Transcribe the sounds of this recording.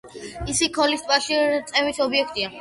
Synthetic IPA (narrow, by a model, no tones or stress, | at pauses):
isikʰɔlist̪ʰʼvaʃit̪sʼɛvisɔbiɛkʰt̪ʼia